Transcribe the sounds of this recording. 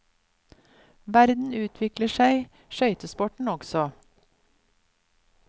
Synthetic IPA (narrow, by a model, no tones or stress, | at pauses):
ʋæɾd̪n̩ʉːt̪ʰʋɪkləʃæɪ | ʃœʏt̪əspɔʈɳ̩ɔɡsɔ